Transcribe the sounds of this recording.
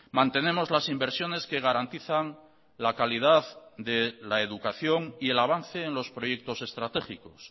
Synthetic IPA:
mãnt̪e̞ne̞mo̞zlasimbe̞ɾsjo̞ne̞ske̞ɣ̞aɾant̪iθaŋ | lakalið̞aðd̪elaeðukaθjo̞ŋie̞laβ̞anθe̞ːnlo̞spɾo̞je̞k̚t̪o̞se̞st̪ɾat̪e̞xiko̞s

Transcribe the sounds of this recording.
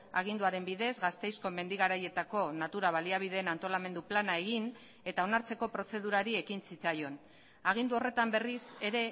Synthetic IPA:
a̰ɣ̞ind̪uaɾe̞mbiðe̞zɣast̪e̞jsko̞me̞nd̪iɣaɾaje̞t̪ako̞nat̪uɾaβ̞aliaβ̞iðe̞ːnant̪o̞lame̞nd̪uplanae̞ɣ̞in | e̞t̪ao̞naɾt͡se̞ko̞pɾo̞se̞ð̞uɾaɾie̞kinsit͡sajo̞n | aɣ̞ind̪uo̞re̞t̪ambe̞rise̞ɾe̞

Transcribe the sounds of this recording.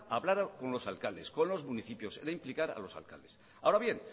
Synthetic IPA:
aβlaɾko̞nlo̞salkald̪e̞sko̞nlo̞zmuniθipjo̞seɾaimplikaɾa̰lo̞sa̰lka̰ld̪e̞s | ao̞ɾaβje̞n

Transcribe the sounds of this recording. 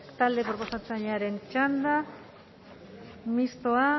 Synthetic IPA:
t̪alepoɾposat̪aɲaɾeŋt͡ʃand̪a | mist̪oa

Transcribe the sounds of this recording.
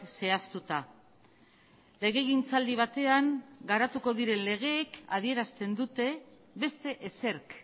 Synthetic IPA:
se̞ast̪ut̪a | leɣe̞ɣint͡sald̪iβ̞at̪e̞aŋɡaɾat̪uko̞ðiɾe̞nle̞ɣ̞e̞ːka̰ð̞ie̞ɾast̪e̞nd̪ut̪e̞ | βe̞st̪e̞ʔese̞ɾk

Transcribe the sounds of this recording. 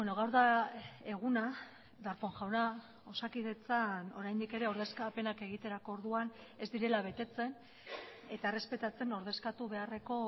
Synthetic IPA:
eno̞ɣawɾðae̞ɣ̞una | d̪aɾpo̞ŋʝawna | o̞sakið̞e̞t͡sano̞ɾajnd̪ike̞ɾe̞o̞ɾðe̞skape̞nake̞ɣ̞it̪e̞ɾako̞ːɾðuan | e̞zd̪iɾe̞laβ̞e̞t̪e̞t͡se̞n | e̞t̪aere̞spe̞t̪at͡se̞no̞ɾð̞e̞skat̪uβe̞are̞ko̞

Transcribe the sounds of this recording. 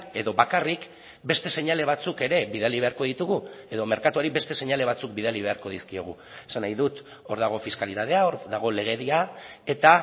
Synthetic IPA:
e̞ðo̞βakarik | be̞st̪e̞se̞ɲale̞β̞at͡suke̞ɾe̞βiðaliβ̞e̞aɾko̞ð̞it̪uɣ̞ue̞ðo̞me̞ɾkat̪uaɾiβe̞st̪e̞se̞ɲale̞β̞at͡suk̚bið̞aliβe̞aɾko̞ð̞iskio̞ɣ̞ṵesanajðut̪ | o̞ɾðaɣ̞o̞fiskalit̪aðe̞aoɾðaɣ̞o̞le̞ɣ̞e̞ðiae̞t̪a

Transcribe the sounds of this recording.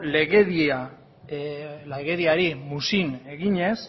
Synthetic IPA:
leɣeðia | leɣe̞ðiaɾimusine̞ɣiɲe̞s

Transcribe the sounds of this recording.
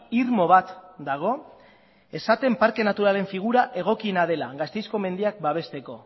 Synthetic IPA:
iɾmo̞β̞at̪d̪aɣ̞o̞ | e̞sat̪e̞mpaɾke̞nat̪uɾale̞ɱfiɣ̞uɾaʔe̞ɣ̞o̞kinað̞e̞la̰ɣast̪e̞jsko̞me̞nd̪iak̚baβ̞e̞st̪e̞ko̞

